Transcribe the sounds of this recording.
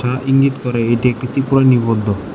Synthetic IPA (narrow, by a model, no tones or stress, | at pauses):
aʔiŋɡit̪koɾeeʈiekʈit̪ipuɾenibod̪ʱːo